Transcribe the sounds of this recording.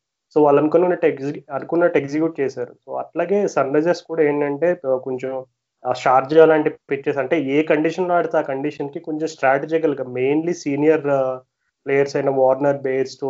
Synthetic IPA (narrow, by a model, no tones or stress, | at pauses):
soːʋaːlːɐnukonunːɐʈkɐnukunːɐʈeɡsikjuːʈ̚t͡ʃeːsaːɾṵso̰ːɐ̰ʈlaːɡe̞ːsɐnɾɐd͡ʒeskuːɽaːeːɳɖɐɳʈe̞ːkoɲt͡ʃom | aːt͡ʃaːɾd͡ʒaːlaːɳʈipit͡ʃːɐsɐɳʈe̞ːeːkɐɳɖiːʂɐnloːɐɽɐt̪aaːkɐɳɖiʂɐnkikoɲt͡ʃemsʈɾaːʈed͡ʒikɐlɡaːme̞ːnlisiːnijɐɾ | pleːjɐɾsɐjnɐʋɔːɾnɐɾbeːɾsʈo